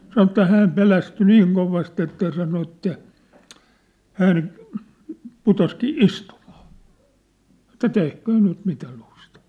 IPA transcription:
sɑnŏ ĕtːæ hæːm pelæsty niːŋ koʋɑst etːæ jɑ sɑno etːæ hæn putoskiː istumɑ̥ː ĕtˑæ tehkøː nyt mitæ lustɑˑ

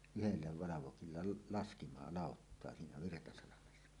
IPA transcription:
yhelːæ ʋɑlɑʋokilːɑ lɑskimɑ lɑˑotːoɑ siːnæ ʋirtɑsɑlɑmesːɑ

